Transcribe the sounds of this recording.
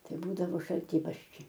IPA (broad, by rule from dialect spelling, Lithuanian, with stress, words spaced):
ˈtɐɪ ˈbuːdɐʋoː ʃɐlʲˈtʲiːbɐrʲʃʲt͡ʃʲɛɪ